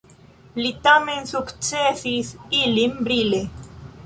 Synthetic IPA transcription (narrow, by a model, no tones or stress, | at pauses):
lit̪amensukt͡ʃesisilimbɾile